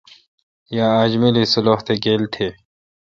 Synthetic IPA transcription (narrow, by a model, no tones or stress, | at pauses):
jaːad͡ʑmilisʊloɦt̪ʰeɡeːlt̪ʰe